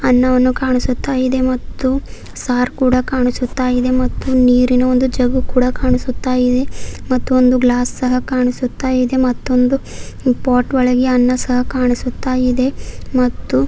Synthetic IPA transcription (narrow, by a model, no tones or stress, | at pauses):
ɐnːɐʋɐnːukaːɳisut̪ːaːjid̪e̞mɐt̪ːu | saːɾkuːɽɐkaːɳisut̪ːaːjid̪e̞mɐt̪ːuniːɾinɐo̞nd̪ud͡ʒɐɡukuːɽɐkaːɳisut̪ːaːjid̪e̞mɐt̪ːuo̞nd̪uɡlaːssɐɦɐkaːɳisut̪ːaːjid̪e̞mɐt̪ːo̞nd̪u | paːʈʋɔɭɐɡiɐnːɐsɐɦɐkaːɳisut̪ːaːjid̪e̞mɐt̪ːu